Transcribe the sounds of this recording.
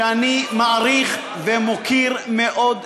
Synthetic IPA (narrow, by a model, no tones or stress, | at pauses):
animaʔaʁiχ | vemokʰiʁmeʔo̞d̪